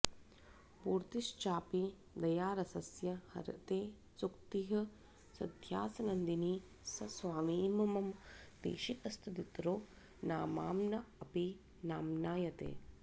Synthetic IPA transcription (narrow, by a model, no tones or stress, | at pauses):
puːɾt̪iʃt͡ʃaːpi | d̪ɐjaːɾɐsɐsjɐhɐ̰ɾɐ̰t̪eː | sukt̪iɦɐ̆ | sɐd̪ʱjaːsɐnɐnd̪iniː | sɐsʋaːmiːmɐmɐmd̪ḛːʃikɐst̪ʰɐd̪it̪ɾoː | naːmaːmnɐɐpi | naːmnaːjɐt̪ḛː